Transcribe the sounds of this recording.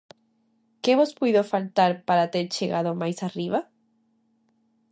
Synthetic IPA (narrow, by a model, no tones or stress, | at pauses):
keβospujðofalt̪aɾpaɾat̪eɾt͡ʃeɣaðomajsariβa